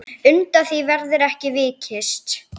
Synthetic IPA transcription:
ʏnt̪aθivɛɾðɪɾɛhcɪvɪːcʰɪst̪

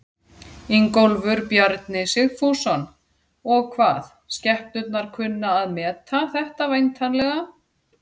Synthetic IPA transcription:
iŋkowlvʏɾpjaɾt̪nɪsɪɣfusan | ɔɣkʰvaːθ | scɛhpnʏt̪̚naɾ̥kʰvʏnːaːðmɛːt̪ʰaθɛht̪avajnt̪ʰanlɛɣa

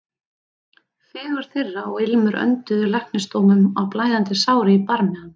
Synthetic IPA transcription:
fɪːɣʏɾ̥θɪrːaɔɣɪlmʏɾœ̰nt̪ʏðʏlahknɪst̪oːwmʏmawplaːjðant̪ɪsaːwɾɪipaɾmɛan

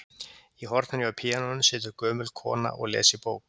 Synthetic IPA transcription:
iɦɔɾt̪naniawpʰiːanɔʏnsɪːt̪ʏɾkœːmʏlkʰɔ̰ːna̰ʔɔ̰ɣlɛ̰ːsɪpoːwk

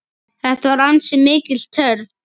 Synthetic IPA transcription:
θɛht̪avaɾant̪sɛmːɪːcɪl̥t̪ʰœɾð

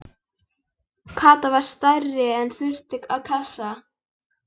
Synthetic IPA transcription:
kʰaːt̪avaɾ̥st̪ajrːɪɛnθʏr̥t̪ɪkaðkʰasa

